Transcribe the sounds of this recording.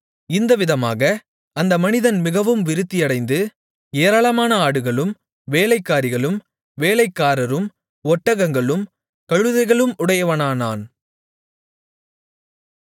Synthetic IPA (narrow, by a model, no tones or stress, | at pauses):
ɪnd̪ɐʋɪðɐma̰ːɣɐ | ɐnd̪ɐmɐnɪðɐnmɪɣɐʋɯmʋɪɾɯt̪ːɪjɐɽɐɪnd̪ɯ | eːɾaːɭɐmaːnɐaːɽɯɣɐɭɯm | ʋeːɭɐɪkːaːɾɪɣɐɭɯm | ʋeːlɐɪkːaːɾɐɾɯm | ɔʈːɐɣɐŋɡɐɭɯm | kɐɻɯðɐɪɣɐɭɯmʊɽɐjɐʋɐnaːnaːn